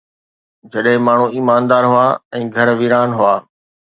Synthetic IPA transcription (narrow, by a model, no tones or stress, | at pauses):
d͡ʑɐɗɦɪ̃maːɳ̤uiːmaːnd̪aːɾɦʊaːɛ̃ːɡʱɐɾʋiːɾaːnɦʊaː